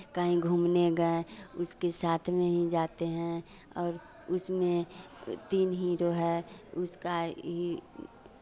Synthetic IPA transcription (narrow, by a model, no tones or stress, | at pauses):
kaɦĩɡʱuːmneɡəeʊskesaːt̪ʰmẽɦid͡ʒaːt̪eɦɛ̃ | ɔːɾ | ʊsmẽ | t̪iːnɦiɾoɦɛːʊskaɦi